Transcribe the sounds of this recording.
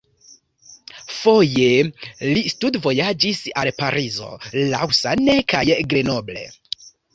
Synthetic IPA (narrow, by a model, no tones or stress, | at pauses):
fo̞je̞listudvo̞jad͡ʒisalpaɾizo̞̰la̰wsa̰nekajɡɾeno̞ble̞̰